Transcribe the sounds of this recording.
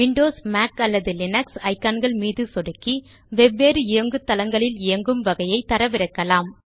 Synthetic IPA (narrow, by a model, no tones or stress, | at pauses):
ʋɪɳɖoːsmaːkɐlːɐðɯlɪnɐksɐɪkːaːnɡɐɭmiːðɯsɔɽɯkːi | ʋɛbːeːɾɯɪjɐŋɡɯt̪ːɐlɐŋɡɐɭɪlɪɐŋɡɯmʋɐɣɐjɐɪt̪ːɐɾɐʋɪɾɐkːɐlaːm